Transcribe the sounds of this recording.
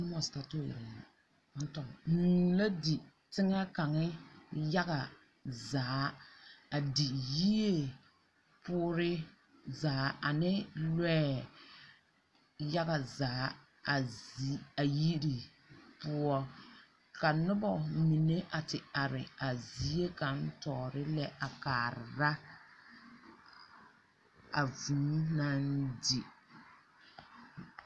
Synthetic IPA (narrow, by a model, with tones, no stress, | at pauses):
nʊ˦mɔ˨sta˦tʊ˦˨jɪ̰˨ɾn˨na˨˦ | n̩˦tɔ˨nu˨la˦di˨ | tɪ˦ŋa˦ka˨ŋɪ˦ja˦ɣa˨ | zaː˨˦a˨di˨ji˦e˨ | pʊː˦ɾɪ˦ | zaː˨˦a˨nɪ˦lɛː˦ | ja˦ɣa˨zaː˨˦˨ | a˨ji˦ɾi˨ | pʊ˦ɔ˦ | ka˨nʊ˦bɔ˨mi˨ne˦ʔa˨tɪ˨a˨ɾɪ˨a˨zi˦e˦ka˨n̩˦tɔː˨ɾɪ˦lɛ˦ʔa˨kaː˨ɾɪ˨ɾa˦ | a˨vũː˨˦na˦ndi˨